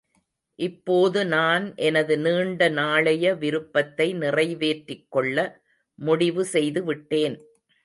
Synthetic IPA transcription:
ʔɪpːoːðɯnaːnʔɛnɐðɯniːɳɖɐnaːɭɐjɐʋɪɾɯpːɐt̪ːɐɪnɪrɐɪʋeːʈrɪkːɔɭːɐ | mʊɽɪʋɯsɛjðɯʋɪʈːeːn

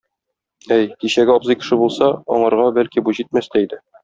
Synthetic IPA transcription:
æjkiɕæɡɘɒbzɤjkɘ̥̆ʃɘbulˠsɑɒ̰ɴɑ̆ɾʁɑbælkibuʑit̪̚mæst̪æid̪ɘ

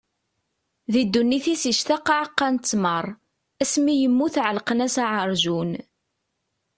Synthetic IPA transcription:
ðid̪ːunːiθisiʃt̪aqːɑʕqːɑnt͡sːmərˤ | æsmijəmːuθʕəlqənæsaʕəɾˤʒun

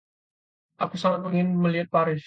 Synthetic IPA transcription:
ʔakusaŋat̪̚məŋɪnməliɦat̪̚paɾɪs

